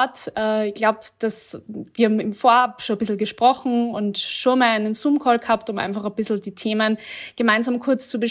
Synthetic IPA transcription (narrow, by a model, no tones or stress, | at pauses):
tʔɛɪçɡ̥laʊpd̥asviːɐhaːm̩ɪmfoːɐaːpʃoːbɪsl̩ɡəʃpʁ̥ɔxn̩ʊntʃoːnmaːlaɪnənsuːmkʰɔːlɡhaːptʊma̰ɪnfaχɐb̥ɪsl̩diːtʰeːmənɡ̥əmaɪnzaːmkʰʊɐt͡st͡subə